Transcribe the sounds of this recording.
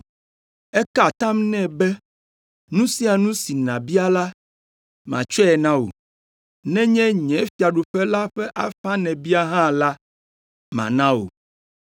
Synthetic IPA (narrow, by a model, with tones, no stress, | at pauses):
ɛ˦ka˨t̪ã˦mnɛ̃˦bɛ˦ | nũ˦si˦a˨nũ˦si˨nã˨bi˦a˦la˦ | mã̰˨t͡ʃɔ˦ɛ˨nã˦wo̰˨ | nɛ̃˦ɲɛ̃˦ɲɛ̃˨˦fi˨a˨ɖu˨ɸɛ˦la˦ɸɛ˦ʔa˨ɸa˦nɛ̃˨bi˦a˦ɦã˦la˦ | mã̰˨nã˦wo̰˨